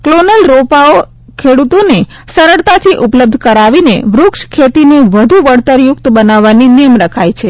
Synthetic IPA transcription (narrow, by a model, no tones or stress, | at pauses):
klonəlɾopao | kʰeɽut̪one | səɾəɭt̪at̪ʰiʔʊpləb̚d̪ʱkəɾaʋinḛʋɾʊkʃkʰet̪ineʋəd̪ʱuʋəɽt̪əɾjʊkt̪bənaʋːaninijəmɾəkʰajt͡ʃʰe